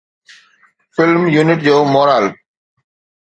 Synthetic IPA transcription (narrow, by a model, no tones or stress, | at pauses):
fɪlmjuːnɪʈ̚d͡ʑoːmɔːɾaːl